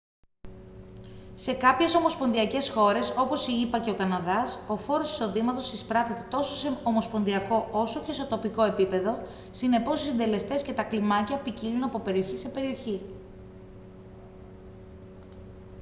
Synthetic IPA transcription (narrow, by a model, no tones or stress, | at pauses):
se̞kɐpçe̞so̞mo̞spo̞nðiɐce̞sxo̞ɾe̞so̞po̞siipɐce̞o̞kɐnɐðɐso̞fo̞ɾo̞si̥so̞ðimɐt̪o̞sispɾɐt̪et̪e̞t̪o̞soseomo̞spo̞nðiɐko̞o̞so̞ce̞sot̪o̞piko̞e̞pipe̞ðo̞ | sine̞po̞sisind̪e̞le̞st̪e̞sce̞t̪ɐklimɐcɐpicilunɐpo̞pe̞ɾio̞çise̞pe̞ɾio̞çi